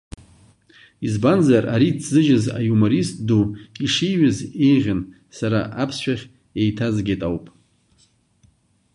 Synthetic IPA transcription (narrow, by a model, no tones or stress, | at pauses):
izbanzaraɾit͡sʰzɨʒɪza̰jumoɾistʼduiʂijɥɨze̞jʁʲan | saɾa̰ʔapʰsʃᶣaχʲ | ejtʰazɡʲetʼawpʼ